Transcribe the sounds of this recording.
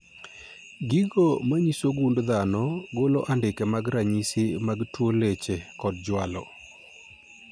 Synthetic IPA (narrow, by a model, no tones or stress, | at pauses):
ɡiɡomaɲisoɡundd̪anɔɡolɔʔandɪkɛmaɡɾaɲisimaɡtwolet͡ʃekɔd̚d͡ʒwalɔ̰